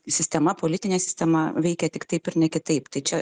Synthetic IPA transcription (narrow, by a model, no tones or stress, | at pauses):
sʲɪsʲt̪ʲɛmɐpoːlʲɪt̪ʲɪnʲeːsʲɪsʲt̪ʲɛmɐʋʲɛɪkʲɛt̪ʲɪkt̪ɐɪpɪɾnʲɛkʲɪt̪ɐɪpt̪ɐɪt͡ʃʲɛ